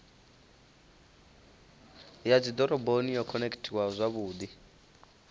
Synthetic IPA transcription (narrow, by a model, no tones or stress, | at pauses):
jad͡zid̪ɔɾɔbonijɔkʰɔnekʰtʰiwazʷaβuːd̪i